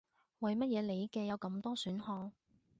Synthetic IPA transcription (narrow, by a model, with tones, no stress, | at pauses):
wɐ˨˩jmɐ˥t̚jɛː˨˧le˨˧jkɛː˧jɐ˨˧wkɐ˧mt̪ɔː˥syː˨˥nhɔː˧ŋ